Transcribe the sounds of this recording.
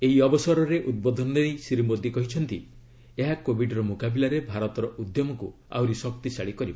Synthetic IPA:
eɦiɔbɔsɔɾɔɾeʔud̪̚bɔd̪ʱɔnɔeejsiɾimod̪ikɔɦit͡ʃʰɔnt̪i | eɦakobʱiɖɔɾɔmokabilaɾebʱaɾɔt̪ɔɾɔʔud̪jɔmɔku | a̰wɾisɔkt̪isaɽikɔɾibɔ

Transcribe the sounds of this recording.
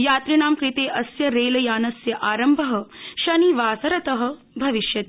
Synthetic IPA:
jaːt̪ɾiɳaːmkɾit̪eːʔɐsjɐɾeːlɐjaːnɐsjɐʔaːɾɐmbʱɐɦɐ̆ʃɐniʋaːsɐɾɐt̪ɐɦɐ̆ | bʱɐʋiʃjɐt̪ː

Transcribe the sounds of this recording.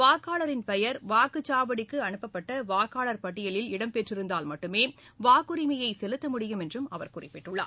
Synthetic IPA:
ʋaːkːaːɭɐɾɪnpɛjɐɾʋaːkɯt͡ʃaːʋɐɽɪkːɯɐɳɯpːɐpːɐʈːɐʋaːkːaːɭɐɾpɐʈːɪjɐɭɪlɪɽɐmpɛʈrɪɾɯnd̪aːlmɐʈːɯmeːʋaːkːɯɾɪmɐjɐɪsɛlɯt̪ːɐmʊɽɪjɯmɛndrɯmɐʋɐɾkʊrɪpːɪʈːɯɭːa̰ː

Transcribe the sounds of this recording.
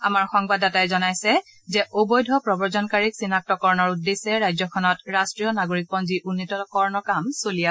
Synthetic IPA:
amaɹxɔŋbadatajzɔnajsɛ | zɛʔobojdʱɔpɹɔbɔɹzɔnkaɹiksinak̚tɔkɔɹnɔɹudːesɛɹajzɔkʰɔnɔtɹastɹiɔnaɡoɹik̚pɔnziʔunːitɔɔkɔɹnɔkamsolia

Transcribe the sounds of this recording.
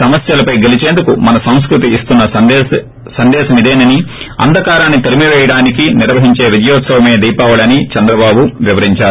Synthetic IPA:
sɐmɐsjɐlɐpɐjɡelit͡ʃeːnd̪ukumɐnɐsɐ̃w̃s̬kɾut̪iːst̪unːɐ | sɐnd̪ɛːʃɐmid̪eːnɐniɐ̰nd̪ʱɐkaːɾaːnːit̪ɐɾimiʋɛːjɐɽaːnikiniɾʋɐɦiɲt͡ʃe̞ːʋid͡ʒɐjɔːt̪sɐʋɐme̞ːd̪ijpaːʋɐlɐnit͡ʃɐnd̪ɾɐbaːbuʋiʋɐɾiɲt͡ʃaːɾu

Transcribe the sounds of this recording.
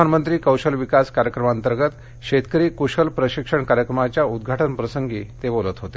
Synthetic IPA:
anmənt̪ɾiːkəwɕəlʋikaskaɾjəkɾəmaənt̪əɾɡət̪ | ɕet̪kəɾiːkoɕəlpɾəɕikʂəɳkaɾjəkɾəmat͡ɕjaud̪̚ɡʱaʈənpɾəsəŋɡiːt̪ebolət̪ɦot̪e

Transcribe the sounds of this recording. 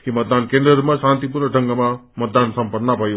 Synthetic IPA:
kimət̪̚d̪ankẽnd̪ɾəɾmãʃãːnt̪ipuɾnəɖʱə̃ŋɡəmãmət̪̚d̪ansɐ̃mpəɾnapɐj

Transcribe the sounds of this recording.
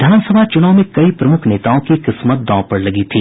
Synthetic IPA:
d̪ʱaːnsəbʱat͡ʃʊnaʊmẽkɐipɾɐmʊkʰneːt̪aõkiqɪsmət̪̚d̪ɔ̃ːpɐɽlɐɡit̪ʰiː

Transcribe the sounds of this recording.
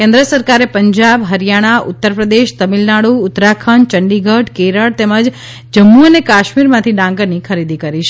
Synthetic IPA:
kẽnd̪ɾəsəɾkaɾepəɲd͡ʒabɦəɾijaɽ̃aʔʊt̪ːəɾpɾəd̪eʃt̪əmilnaɽuːt̪ːɾakʰəɳt͡ʃəɳɖiɡʱəʈkeɾəɭt̪eməd͡ʒ | d͡ʒəmːuənekaʃmiɾmãt̪ʰiɖãŋɡəɾnikʰəɾid̪ikəɾiʃʰ

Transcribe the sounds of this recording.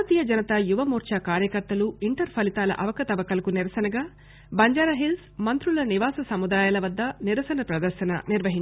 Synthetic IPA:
ɐt̪iːjɐd͡ʒɐnɐt̪ɐjuʋɐmuːɾt͡ʃaːkaːɾjɐkɐɾt̪ɐluiɳʈɐɾpʰɐlit̪aːlɐ̰ʔɐʋɐkɐt̪ɐʋɐkɐlɐkuniɾɐsɐnɐɡaː | bɐɲd͡ʒaːɾɐɦils | mɐnt̪ɾulɐniʋaːsɐsɐmud̪aːjaːlɐʋɐd̪ːɐniɾɐsɐnɐpɾɐd̪ɐɾʃɐnɐ̰niɾʋɐɦiɲ

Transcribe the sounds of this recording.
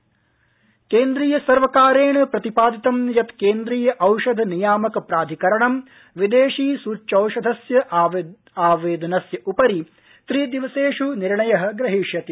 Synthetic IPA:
keːnd̪ɾiːjɐsɐɾʋɐkaːɾeːɳɐpɾɐt̪ipaːd̪it̪ɐmjɐt̪keːnd̪ɾiːjɐʔɐwʃɐd̪ʱnijaːmɐkɐpɾaːd̪ʱikɐɾɐɳɐm | ʋid̪eːʂiːsuːt͡ʃːt͡ʃɐwʂɐd̪ʱɐsjɐʔ | aːʋeːd̪ɐnɐsjɐʔupɐɾi | t̪ɾiːd̪iʋɐseːʂuniɾɳɐjɐɦɐ̆ɡɾɐɦiʃjɐt̪i

